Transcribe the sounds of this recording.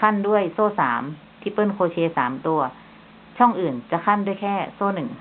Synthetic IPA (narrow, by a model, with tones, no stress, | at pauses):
kʰa˥˨ndu˥˩əjsoː˧˥˩saː˩˦m | t̪ʰiː˧˥˩pɤː˥˩nkʰoː˧t͡ɕʰeː˧saː˩˦mt̪u˧ɐ | t͡ɕʰɔ˥˩ŋʔɯː˨˩nt͡ɕa˧˨kʰa˥˨ndu˥˩əjkʰɛː˥˩soː˧˥˩nɯ˨˩ŋ